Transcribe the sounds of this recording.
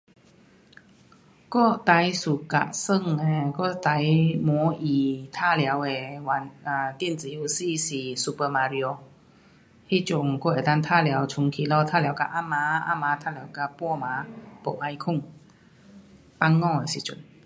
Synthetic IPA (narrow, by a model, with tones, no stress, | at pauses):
kɔ˥˨t̪a˨˧˦jsu˨˩ka̰˨sə˥˧˨ŋe˨˩kɔ˥˧˨t̪a˨˦jmɔ˨˦i˨˩t̪ʰa˥˧˨lja˨˦we˨˩wa˨˦na˨t̪ji˥˧˨nt͡si˨˦u˧si˥˧˨si˨˩su˧pə˧ma˧ɾi˧o˧ | hi˦˥˨t͡ɕjʊ˨˩ŋkɔ˥˩e˨˩t̪a˦˥˧ŋt̪ʰa˥˨lja˨˦wt͡ɕʰʊ˧ŋkʰi˧lɔ˧t̪ʰa˥lja˨˧˦wka˧ʔa˧˥˩mã˧˦a̰˧˥mãː˨˦t̪ʰa˥lja˨˦wka˧pwɔ˥˧mã˨˧˦po˨˩ʔa˧jkʰʊ˥˩˨ŋ | pa˧˥ŋːɔ̃˥˧˨e˨si˨t͡sṵ˨˩˦n